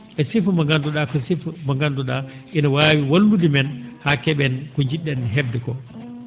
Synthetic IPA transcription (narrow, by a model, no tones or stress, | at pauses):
ʔɛsifmaŋɡanduɗakɔsifmaŋɡanduɗaʔinawaːwiwalːudimɛnhakɛɓɛnkɔɲd͡ʒiɗːɛnɦɛfdɛkɔ